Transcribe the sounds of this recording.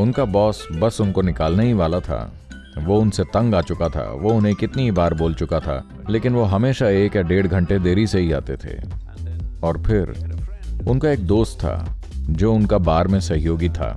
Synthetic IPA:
ʊnkabɔːsbɐsʊnkonɪkaːlnəɦiʋaːlat̪ʰa̰ː | ʋoʊnset̪ɐ̃ŋɡaːt͡ʃʊkat̪ʰa̰ʋoʊnɦẽkɪt̪niibaːɾboːlt͡ʃʊkat̪ʰa̰ː | leːkɪnʋoɦɐmeːʃaeːkjaɖeːɽɡʱɐ̃ɳʈed̪eːɾiseɦia̰ːt̪et̪ʰḛː | ɔːɾpʰɪɾ | ʊnkaeːk̚d̪oːst̪ʰːa̰ː | d͡ʒoːʊnkabaːɾmẽsɐɦjoːɡit̪ʰa̰ː

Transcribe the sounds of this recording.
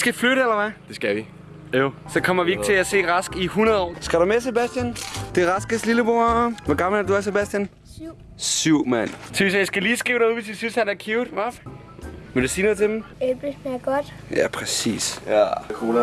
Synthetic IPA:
sɡ̥æfløɾ̥əelɐʋæd̥e̝sɡ̥æʋi | osɒ̽kʰɒ̽m̰ɐʋie̝ɡ̥̚t͡sʰe̝æse̝̰ːʁɑsɡ̥ihunɐðˠɒ̰ːsɡ̥æɾumese̝b̥æsd̥jænd̥e̝ʁɑsɡ̥əsliləb̥ʁoʋɒɡ̥ɑ̈ml̩æɐd̥uæɐse̝bæsd̥jæn | syʊ̰mæn̰t͡sʰesjasɡ̥æliːsɡ̥ʁiʊɾeuðˠʋe̝s̬jasynshænæɐkʰjuʊd̥ʋɑ | med̥usiːnɔðˠt͡sʰe̝d̥m̩eb̥edmeɡ̥ɔd̥ | jæpʰʁɛsḭːskʰu

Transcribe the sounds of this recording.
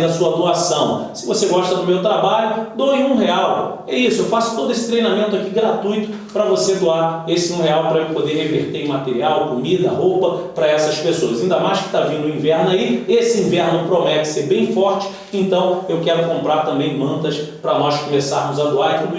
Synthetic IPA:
d̪ɐsuɐd̪oasɐ̃w̃sɪvoseɡɔʃt̪ɐd̪ʊmewt̪ɾabaʎʊd̪oẽũɦeaw | ɛisʊewfasʊ̥t̪od̪ʊesɪ̥t̪ɾejnamẽnt̪ʊakiɡɾat̪ujt̪ʊ̥ | pɾɐvosed̪oaɾesɪũɦeawpɾɐpod̪eɦeveɾt̪eɾ̃mat̪eɾiawkomid̪ɐɦowpɐpɾɐɛsɐspesoɐzĩnd̪ɐmajʃkɪ̥t̪avĩnd̪ʊĩvɛɾnʊaiesɪĩvɛɾnʊpɾomɛt͡ʃɪ̥seɾbẽj̃fɔɾt͡ʃɪ̥ | ẽnt̪ɐ̃w̃ewkɛɾʊkõmpɾaɾt̪ɐ̃mbẽj̃mɐ̃nt̪ɐspɾɐnɔʃkomesaɾmʊzɐd̪oaɾit̪u

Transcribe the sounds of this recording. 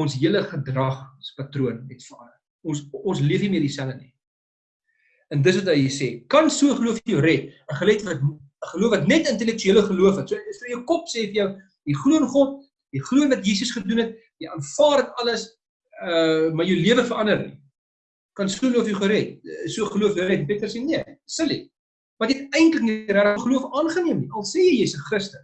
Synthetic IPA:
ɔnsɦiələχədrɐχspɐtruənɛtfəɐnə | ɔnsɔnsliəfimiədisæləni | əndəsvɐtɦəjsɛːkɐnsuəəχəluəfjəwɾɛtəχəlɛjtvɐt | əχəluəfvɐtnɛtəntɛlɛk̚tyiələχəluəfɐtsuəstuəjəwkɔpseːfərjœw | jiχluənχɔt̚ | jəjχluənvɐtjiːsəsχədunɛt̚ | jəjʔɑːnfɑːrətɐləs | əmɑjəwliəvəfəɾɐndərnḭ | kɐnsuəluəfjəwχəɾɛt̚suəχəluəfjəwɾɛtnpiətərseniəsəlḭ | mɐtɛtɛjntləkniɾæɾəχəluəfɑːnχəniəmniɐlˠsɛːjəjiːsəsχrəstəs

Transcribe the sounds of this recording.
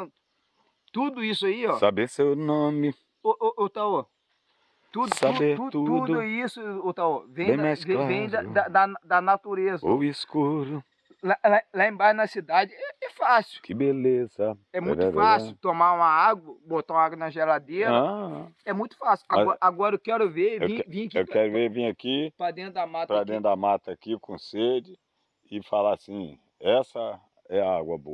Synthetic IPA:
t̪ud̪ʊisʊaiɔsabesewnõmɪ | oʔʔot̪ao | t̪ud̪sabdet̪uut̪ud̪d̪ʊisʊot̪aovẽj̃ẽmsvẽvẽj̃d̪ɐd̪ɐd̪ɐnd̪ɐnat̪uɾezɐoiskuɾʊ | lalalaẽbanɐsid̪ad͡ʒɪɛɛfasɪwkɪbelezɐɛmũṽɛfasɪʊt̪omaũmɐaɡwɐbot̪aũɐaɡwɐnɐʒelad̪eɾɐãɛmũj̃t̪ʊ̥fasɪʊamzɔaɡɔɾɐewkɛɾʊveɾẽvĩɐkiewkɛɾʊveɾvĩɲ̃ɐkipɾad̪ẽnd̪ʊd̪amat̪pɾɐad̪ẽnamat̪ɐakikõsed͡ʒɪ | ɪfalasĩ | ɛsɐ | ɛaɡwɐbo̰ɐ

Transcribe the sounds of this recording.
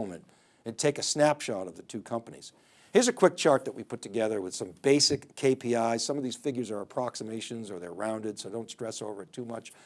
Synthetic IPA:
mɨ̰̃nt | ɨ̃ntʰeɪkɨsnæpʃɑɾʌvðɨtʰʉkʰʌ̃mpənḭz̥ | hɪɹzɨkʰw̥ɪk̚t͡ʃʰɑɹt̪̚ðɨʔ̚wipʰʊtʰɨɡɛðə˞wɨð̥sʌ̃mbeɪsɨkʰːeɪpʰiaɪ̥sʌ̃mʌvðiz̥fɪɡjə˞zə˞əpʰɹ̥ɑksəmeɪʃɨ̃nzə˞ðə˞ɹãʊ̃ndɨd̥soʊdõʊ̃ntstɹ̥ɛsoʊvə˞ɨtʰumʌt͡ʃ

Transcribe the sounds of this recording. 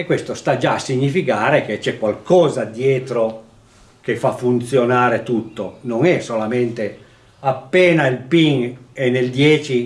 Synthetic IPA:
ekːwest̪ost̪ad͡ʒaːsːiɲːifikaːɾek̟et͡ʃɛkːwalkɔːzad̪jɛːt̪ɾo | k̟efːafːunt̪sjonaːɾet̪ut̪ːonoŋɛsolament̪e | apːɛːnailpiŋenːeld̪jɛːt͡ʃi

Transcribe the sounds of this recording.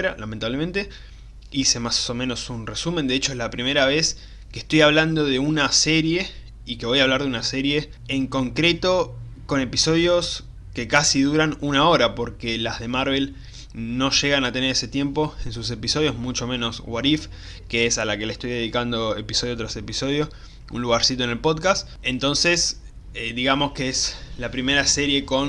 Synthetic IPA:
ɾalame̞nt̪aβlement̪e̞ | ise̞maso̞mẽ̞nosunresumend̪e̞et͡ʃo̞ezlapɾime̞ɾaβe̞s | keht̪o̞jaβland̪o̞ð̞e̞unase̞ɾje̞ | ike̞βo̞jaβlaɾðeunase̞ɾje̞ː | ŋko̞ŋkɾe̞t̪o̞ | ko̞ne̞piso̞ð̞jo̞s | ke̞kasiðuɾanunao̞ɾapo̞ɾkelazðe̞maɾβe̞l | no̞ʃe̞ɣanat̪e̞neɾe̞se̞t̪je̞mpo̞e̞nsus̬e̞piso̞ðjo̞zmut͡ʃo̞mẽ̞no̞swaɾif | keesalakelaest̪o̞jðe̞ðikand̪o̞e̞piso̞ð̞jo̞t̪ɾase̞piso̞ð̞jo̞ | ṵnluɣaɾsit̪oene̞lpo̞ðkast̪ | ent̪o̞nse̞s | ed̪iɣamo̞skeeslapɾime̞ɾase̞ɾje̞ko̞n

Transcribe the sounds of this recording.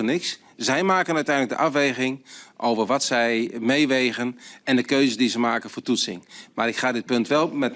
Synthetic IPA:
nɪks | zɛjmaːkənœɥtɛjndlək̚də̰ʔafʋejɣɪŋʔowvərʋɔtsɛjmejʋejɣənɛndəkøɥzədizəmaːkənfoːtutsɪ̰ŋmaːɾɪkχaːdɪt̚pɵntʋɛlˠmɛt

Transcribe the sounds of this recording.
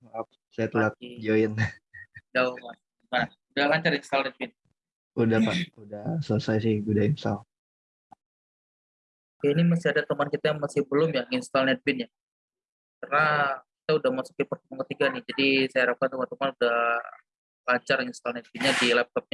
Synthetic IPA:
ap̚ | sajat̪ulakid͡ʒoɪn | d͡ʒauman | man | udahlaɲt͡ʃaɾinst̪alnɛt̪̚bɪn | udahpaudasələsajsɪhɡudainsal | kainimasɪadat̪əmankit̪ajaŋmasɪhbəlʊmjaŋinst̪alnɛt̪̚bɪnja | kərnaki̥t̪audahmasu̥k̚ipərt̪əmuŋkət̪iɡanɪhd͡ʒadisajaiɾap̚kant̪umant̪əmanudah | laɲt͡ʃarŋinst̪alnɛt̪̚bɪnɲadilɛp̚t̪ɔp̚ɲa

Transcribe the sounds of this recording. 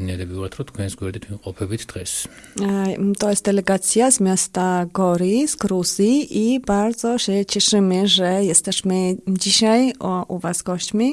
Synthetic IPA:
nɛd̪ɛbiuvaɾt̪ʰɾɔt̪ʰkʰwɛnsɡwɛɾd̪it̪ʰimqʼɔpʰɛbit̪ʰd̪̥ʁɛs | t̪ʼɔɛsd̪ɛlɛɡat̪sʰiazmjast̪aɡɔɾizɡɾuziːʔibaɾd̪zɔʃɛt͡ʃʰɛʂɪmɪʐɛjɛst̪ɛʃmɪd͡ʒiʃajʔuvasɡɔʃt͡ʃmi

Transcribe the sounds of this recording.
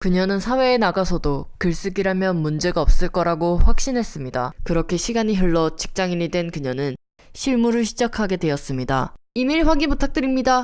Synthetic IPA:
kɯɲʌnɯnsʰawe̞ːnaɡasʰʌdokɯɭs͈ɯɡiɾamjʌnmund͡ʑe̞ɡaʌp̚s͈ɯɭk͈ʌɾaɡoɸwak̚ɕ͈inɦe̞s͈ɯmɲida̰kɯɾʌkʰe̞ɕʰiɡaɲiɦɯɭːʌt͡ɕi̥k̚t͡ɕ͈aŋinidwe̞nkɯɲʌnɯn | ɕʰiɭmuɾɯɭɕʰid͡ʑakʰaɡe̞dwe̞ʌs͈ɯmɲida̰ | imeɭɸwaɡiputʰak̚t͈ɯɾimɲida

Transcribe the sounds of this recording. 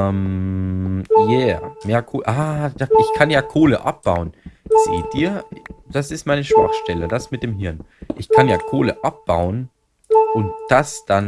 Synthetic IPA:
m | jɛːmeːɐkʰoːlʔaːdaʔɪçkʰanjaːkʰoːləʔa̰p̚b̥aʊənz̥ḛːt̚diːɐd̥asɪstmaɪnəʃv̥a̰χʃtɛləd̥asmɪt̚d̥eːmɦɪɐn | ʔɪçkʰanjaːkʰoːləʔap̚b̥aʊən | ʔʊnt̚d̥asd̥an

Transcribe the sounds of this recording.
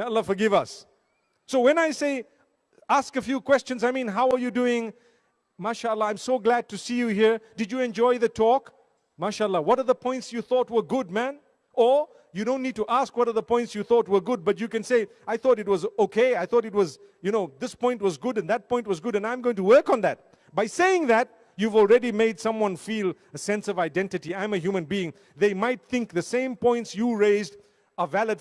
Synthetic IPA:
jaəlːɑfə˞ɡɪvʌsː | oʊwɛ̃naɪseɪ | æskəfjukʰw̥ɛst͡ʃə̃nzaɪmĩnɦaʊəjuduɪ̃ŋ | maʃaəlːˠɑãɪ̃msoʊɡlæd̚tusijuhiɹdɨd͡ʒjɨɛ̃nd͡ʒɔɪðətʰɔk | maʃaəlːɑwɔɾəðəpʰɔ̃ɪ̃ntsjuθɔt̚wə˞ɡʊd̚mæ̃n | ə | juɾõnːid̚tuʔæskwɔɾə˞ðəpʰɔ̃ɪ̃ntsjuθɔt̚wə˞ɡʊd̚bʌtjɨkɨ̃nseɪ | aɪθɔɾɨt̬̚wʌzoʊkʰeɪaɪθɔɾɨt̚wʌz | jɨnoʊðɪspɔ̃ɪ̃nt̚wʌzɡʊdɨ̃nðæt̚pʰɔ̃ɪ̃nt̚wʌzɡʊɾɨ̃nãɪ̃mɡoʊɪ̃ŋtuwɜ˞kn̩ðæt̚ | baɪseɪɪ̃ŋðæt̚ | juvɔlˠɹɛɾimeɪd̥sʌ̃mwʌ̃nfiːl | əsɛ̃nsʌvaɪdɛ̃ntɨtiãɪ̃mɨɦjumɨ̃nbiɪ̃ŋ | ðeɪmaɪt̪̚θɪ̃ŋk̚ðəsẽɪ̃mpɔ̃ɪ̃ntsjuɹeɪzd | əvæləd

